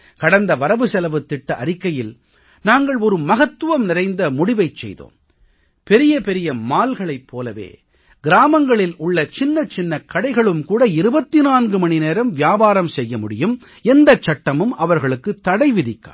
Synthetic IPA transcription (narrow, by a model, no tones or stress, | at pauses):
kɐɽɐnd̪ɐʋɐɾɐʋɯsɛlɐʋɯt̪ːɪʈːɐʔɐɾɪkːɐjɪl | naːŋɡɐɭɔɾɯmɐɣɐt̪ːɯʋɐmnɪɾɐɪnd̪ɐmʊɽɪʋɐɪt͡ʃːɛ̰jðo̰ːm | pɛɾɪjɐpɛɾɪjɐmaːlɣɐɭɐɪpʰːoːlɐʋḛː | ɡɪɾaːmɐŋɡɐɭɪlʊɭːɐt͡ʃɪnːɐt͡ʃɪnːɐkʰːɐɽɐɪɣɐɭɯmkuːɽɐɪɾɯbɐt̪ːɪnaːnɡɯmɐɳɪneːɾɐmʋjaːbaːɾɐmsɛjːɐmʊɽɪjɯm | ɛnd̪ɐt͡ʃːɐʈːɐmɯmɐʋɐɾɣɐɭɯkːɯt̪ːɐɽɐɪʋɪðɪkːa̰ː